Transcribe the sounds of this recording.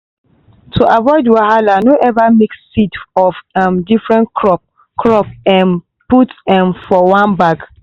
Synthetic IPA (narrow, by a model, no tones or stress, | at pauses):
tʰuʔavɔɪdwaɦalanoʔɛvamiksidɔfamdifɹɛ̃nkʰɹɔp | kʰɹɔp̚ɛ̃n | putɛ̃mfɔwãnbaɡ